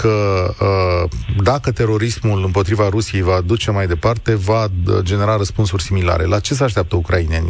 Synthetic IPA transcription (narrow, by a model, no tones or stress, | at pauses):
kʰəəd̪akət̪e̞ɾo̞ɾismulɨmpo̞t̪ɾivaɾusije̞jvaːd̪ut͡ʃe̞majd̪e̞part̪e̞vad͡ʒe̞ne̞ɾaɾəspunsurʲsimila̰ɾe̞̰lat͡ʃe̞s̬eaʃ̬t̪eap̚t̪əukɾainenʲ